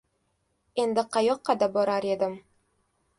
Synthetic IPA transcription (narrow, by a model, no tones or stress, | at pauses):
end̪ɘqɑjoqːɑd̪ɑbɒɾɑɾed̪ɘm